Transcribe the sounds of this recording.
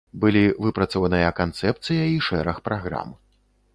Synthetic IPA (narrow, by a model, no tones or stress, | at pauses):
bɨlʲivɨpɾɐt̪sɔvɐnɨjɐkant̪sɛp̚t̪sɨjɐiʂɛɾɐxpɾaɣɾa̰m